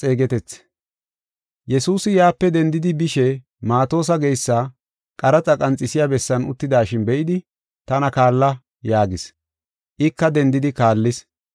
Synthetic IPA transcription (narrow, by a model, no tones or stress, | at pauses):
t͡sʼeːɡɛt̪ɛt͡sː | jɛsuːsɪjaːpːɛd̪ɛnd̪ɪd̪ɪbɪʃɛ | maːt̪o̞ːs̬ɐɡɛjsːɐ | kʼɐɾɐt͡sʼɐkʼɐnt͡sʼɪsɪjabɛsːɐnʊ̰t̪ːɪd̪aːʃɪnbɛʔɪd̪ɪ | t̪ɐnɐkaːlːɐ | jaːɡɪs | ʔɪkːɐd̪ɛnd̪ɪd̪ɪkaːlːɪs